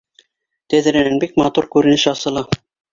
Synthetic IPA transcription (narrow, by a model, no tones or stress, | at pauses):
t̪æðɘ̆ɾænænbikmɑt̪uɾkʉɾɘ̆nɘʃɑsɤ̆lˠɑ